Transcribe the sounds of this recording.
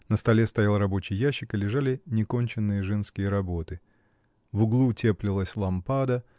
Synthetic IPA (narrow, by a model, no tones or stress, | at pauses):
nəst̪ɐlʲe̞st̪ɐjalˠɾɐbo̞t͡ɕɪjːaɕːɪkɨlʲɪʐalʲɪnʲɪko̞nʲt͡ɕɪnːɨjəʐɛnskʲɪjəɾɐbo̞t̪ɨ | vʊɡlˠutʲʰeplʲɪlˠəsʲlˠɐmpad̪ə